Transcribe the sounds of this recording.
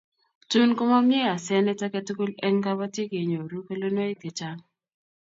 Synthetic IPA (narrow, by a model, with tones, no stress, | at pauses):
tu˦nko˦ma˦mjɛ˦ja˨sɛ˦nɛ˦ta˦kɛ˦tu˦ku˦lɛ˦ŋka˦ba˦tje˦ke˨ɲo˨ɾu˦ke˦lo˦no˦e˦ke˨t͡ʃa˦ŋ